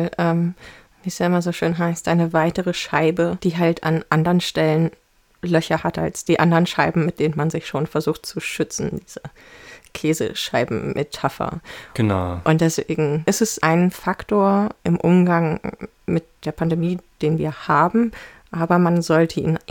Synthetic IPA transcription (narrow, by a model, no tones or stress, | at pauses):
lʔɛːm | viːɛsjaʔɪmɐzoːʃøːnɦaɪstʔaɪnəvaɪtəʁəʃaɪbəd̥iːɦaltʰa̰nʔandəʁənʃtɛlən | lœçɐhatʔa̰lsd̥iːʔandəʁənʃaɪbm̩mɪt̚d̥eːnənmanzɪçʃoːnfɛɐzuːxt̚t͡suʃʏt͡sn̩d̥iːz̥ə | kʰeːzə̰ʃaɪbm̩mʔetʰafɐ̰ɡ̥əna̰ʊʔʊntd̥ɛsv̥eːɡŋ̩ʔɪstɛsʔaɪnfaktoːɐʔɪmʔʊmɡaŋ | mɪt̚d̥eːɐpʰandemiːd̥eːnviːɐhaːbm̩ʔaːbɐmanzɔltʰəḭːn